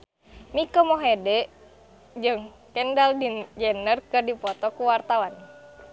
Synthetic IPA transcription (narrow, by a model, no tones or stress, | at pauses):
mikɔmɔɦɛdɛʔ | d͡ʒɨŋ | kɛndaldid͡ʒɛnərkɨrdipɔt̪ɔkuwart̪awan